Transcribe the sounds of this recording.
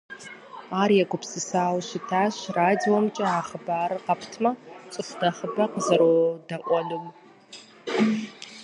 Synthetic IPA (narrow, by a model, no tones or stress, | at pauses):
aːrjɛɡʷʊpsɨsaːwʃɪtʰaːɕraːdiwɔmt͡ʃʼɐaːχəbaːɾɨqɐpʰtʰmɐt͡ʃʼɨsnɐχəbɐqəzɐɾodɐʔʷʼɔnum